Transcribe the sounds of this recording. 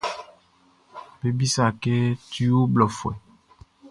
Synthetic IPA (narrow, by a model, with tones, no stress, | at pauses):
be˦bi˦sa˨ke˦t̪i˦wo˦blɔ˨fwɛ˨